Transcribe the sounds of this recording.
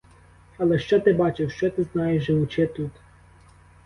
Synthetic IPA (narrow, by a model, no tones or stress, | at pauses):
ɐlˠɛʃt͡ʃɔt̪ɪbɑt͡ʃɪwʃt͡ʃɔt̪ɪznɑjɛʒʒɪwʊt͡ʃɛt̪ut̪